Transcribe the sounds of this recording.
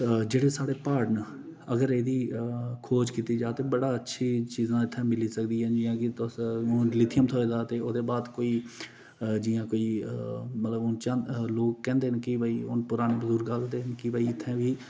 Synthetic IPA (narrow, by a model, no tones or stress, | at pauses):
d͡ʒeːɽeːsaːɽeːpaːɖən | əɡəɾeːd̪iːkʰoːd͡ʒkiːt̪iːd͡ʒaːt̪eːbəɽaːətːʃʰiːt͡ʃiːzãːɪt̪ʰːɛ̃ːmɪliːsəkd̪iːɦɛːd͡ʒɪjãːkɪʊnɖlɪt̪ʰɪjəmt̪ʰoːeːd̪aːt̪eːoːd̪eːbaːd̪koːiː | d͡ʒijãːkoːiːmət̪ləbʊnt͡ʃãloːkːɛ̃ːnd̪eːɦənkɪbəiːʊ̰npʊɾaːneːbəzʊɾɡəld̪eːɦənkɪbəiɪt̪ʰːɛ̃ːʋiː